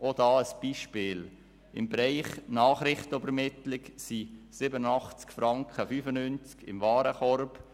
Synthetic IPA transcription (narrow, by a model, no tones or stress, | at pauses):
ʔodɑːəsb̥iːʃpɪːl | ɪ̰mbɾaɪχnɑːχɾɪχtəybəɾmɪt̪lɪksisɪbənənɑχt͡skfɾɑŋkχəfyːfənynt͡skɪ̰mvɑːɾəχɔɾb